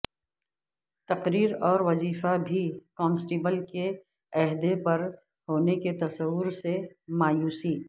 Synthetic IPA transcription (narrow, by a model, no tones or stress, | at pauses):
t̪ɐqɾiːɾɔːɾʋɐziːfabʱikɔ̃ːnsʈiːbəlke | ɐɦd̪epɐɾ | hoːneket̪ɐsɐwːʊɾsemaːjuːsiː